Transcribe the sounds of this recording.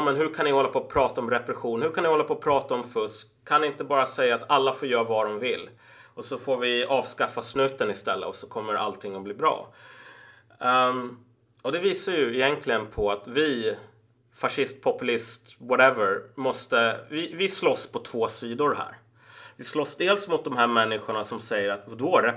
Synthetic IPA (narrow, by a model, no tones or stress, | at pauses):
mɛnɦɵkʰanɪhɔlːapʰɔːpʰɾɑːt̪aɔmɾɛpɾɛɧuːnhɵɾkʰanɪhɔlːapʰɔːpʰɾɑːt̪aɔmfɵskʰːanɪnt̪əbɑːɾasɛjːaːt̪alːafoːɾjœːɾavad̪ɔmvɪlː | ɔsɔfoːɾvɪɑːvskafːasnʉ̟ːt̪ənɪst̪ɛlːə̰ɔsɔkʰɔmːəɾʔa̰lt̪ʰɪŋːɔbliːbɾɑ̰ː | ɔd̪ɛviːsaɾjɵɪjɛnkʰlɪɡənpʰɔat̪vɪ | faʂɪst̪̚pʰɔpɵlɪst̪wɑɾɛvəɾmɔst̪əvɪvɪslɔspʰɔt̪ʰv̥oːsiːd̪ʊɾhæ̰ːɾ | vɪslɔsd̪eːlsmʊt̪̚d̪ɔmɦæːɾmɛnːɪɧʊɳasɔmsɛjːəɾat̪d̪ɵaɾɛ